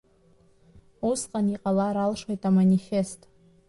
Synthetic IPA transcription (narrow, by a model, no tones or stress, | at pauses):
usqʼaniqʼalaɾalʂwejtʼamanʲifestʼ